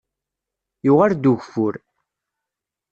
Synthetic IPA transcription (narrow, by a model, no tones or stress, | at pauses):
juʁaɾd̪uʝfʊɾ